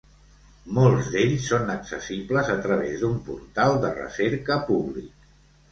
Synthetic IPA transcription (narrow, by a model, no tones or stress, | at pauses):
molˠzd̪eʎsːonəksəsipləzət̪ɾəβ̞ezd̪umpṵɾt̪alˠd̪ərə̰seɾkəpuβlḭk̚